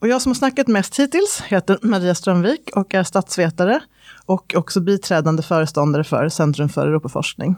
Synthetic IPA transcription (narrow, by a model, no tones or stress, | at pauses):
ɔjɑːɡsɔmhaʂnakːat̪mɛst̪hiːt̪ɪlsheːt̪əɾmaɾiːast̪ɾœmviːkʰɔkæst̪at̪sveːt̪aɾə | ʔɔkʰɔksɔbiːt̪ʰɾɛːd̪and̪əfœːɾəst̪ɔnd̪aɾəfœ̰ɾsɛnt̪ɾɵmfœ̰ɾɛɾuːpafɔ̰ʂknɪ̰ŋ